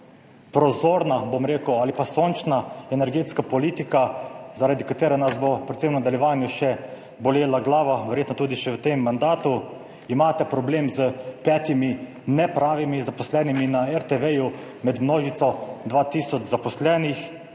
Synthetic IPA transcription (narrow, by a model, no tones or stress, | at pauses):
pɾɔzoːɾnabomɾeːkəwaːlipasoːnt͡ʃnaɛnɛɾɡeːt̪skapɔliːt̪ikazaɾad̪ikat̪eːɾɛnasbopɾɛt̪semnad̪aljɛʋaːnjuʃɛ | bɔleːlaɡlaːʋaʋɛɾjeːt̪nɔt̪uːd̪iʃɛwt̪emːand̪aːt̪u | imaːt̪ɛpɾɔbleːmzəpɛːt̪imi | nɛpɾaːʋimizapɔslɛːniminaɛɾt̪eʋɛju | mɛd̪mnoːʒit̪sɔd̪ʋaːt̪iːsɔd͡ʒzapɔslɛːnix